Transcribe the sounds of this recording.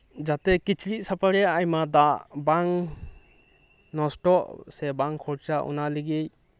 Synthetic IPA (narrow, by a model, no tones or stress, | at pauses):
d͡ʒatekit͡ʃʰɾit̚sapʰaɾeajmadaʔbaŋ | nɔsʈɔʔsebaŋkʰɔɾt͡ʃaʔṵnaliɡej